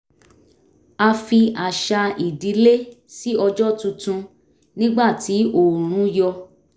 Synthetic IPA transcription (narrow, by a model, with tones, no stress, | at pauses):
a˧fi˧a˨ʃa˧i˨di˨˦le˦ | si˦ɔ˧d͡ʒɔ˦tũ˧tũ˧ | nĩ˦ɡ͡ba˦˨ti˨˦o˦˨ɾ̃ũ˨˦jɔ˧